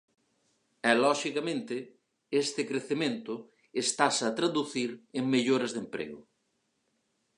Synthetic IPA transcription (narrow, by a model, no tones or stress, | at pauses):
ɛlɔʃikamẽnt̪ɪ | est̪ɪkɾeθemẽnt̪ʊ | est̪asɐt̪ɾaðuθiɾeŋmeʎoɾɐzðempɾḛɣʊ